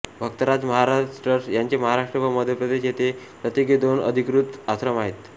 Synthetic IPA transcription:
bʱək̚t̪əɾad͡zməɦaɾaʈɾəɾsjaɲt͡ɕeməɦaɾaʂʈɾəʋəməd̪ʱjəpɾəd̪eɕjet̪epɾət̪jəɡed̪onə̰d̪ʱikɾut̪at̪ɾəmaɦet̪

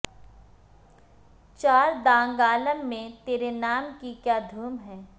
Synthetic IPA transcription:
t͡ʃaːɾd̪ãːŋɡaːləmːẽt̪eːɾenaːmkikjaːd̪ʱuːmɦɛː

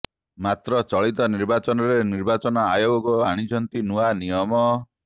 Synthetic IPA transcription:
mat̪ɾɔt͡ʃɔɭit̪ɔniɾbat͡ʃɔnɔɾeniɾbat͡ʃɔnɔajoɡɔɡɔaɽ̃it͡ʃʰɔnt̪inuanijɔmɔ

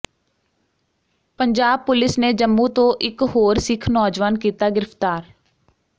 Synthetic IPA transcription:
pəɲd͡ʒaːb̚pʊlɪsneːd͡ʒəmːũːt̪õːʔɪkɦoːɾsɪkʰnɔːd͡ʒʋaːnkiːt̪aːɡɪɾəpt̪aːɾ

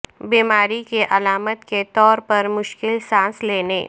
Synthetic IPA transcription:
biːmaːɾikeʔɐlaːmət̪ket̪ɔːɾpɐɾmʊʃkɪlsãːsleːnḛː

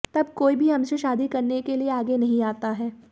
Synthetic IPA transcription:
t̪ɐb̚koːibʱiɦɐmseʃaːd̪ikɐɾnekelieaːɡenɐɦĩaːt̪aɦɛː

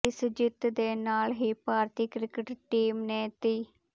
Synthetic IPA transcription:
ɪsd͡ʒɪt̪d̪eːnaːlɦiːpaːɾt̪iːkɾɪkəʈʈiːmneːt̪iː

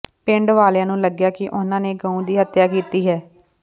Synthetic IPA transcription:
pɪ̃ɳɖʋaːljãːnũːləɡjaːkɪʔʊnãːneːɡə̃ːũːd̪iːɦət̪jaːkiːt̪iːɦɛː

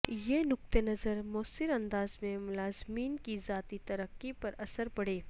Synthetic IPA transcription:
jeːnʊk̚t̪enɐzəɾmɔːsɪɾɐ̃nd̪aːzmẽmʊlaːzmiːnkizaːt̪it̪ɐɾəqːipɐɾɐsəɾbɐɽeː

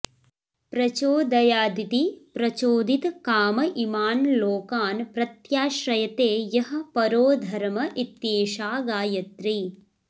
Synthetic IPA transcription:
pɾɐt͡ʃoːd̪ɐjaːd̪it̪ipɾɐt͡ʃoːd̪it̪kaːmɐʔimaːnloːkaːnpɾɐt̪jaːʃɾɐjɐt̪eːjɐɦɐ̆pɐɾoːd̪ʱɐɾmɐʔit̪jeːʃaːɡaːjɐt̪ɾi

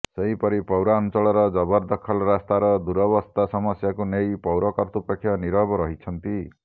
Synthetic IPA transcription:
seɦĩpɔɾipɔwɾaɔnt͡ʃɔɭɔɾɔd͡ʒɔbɔɾd̪ɔkʰɔlɔɾast̪aɾɔd̪uɾɔβɔst̪ʰasɔmɔsjakunejpɔwɾɔkɔɾt̪upɔkʰːjɔniɾɔbɔɾɔɦit͡ʃʰɔnt̪i

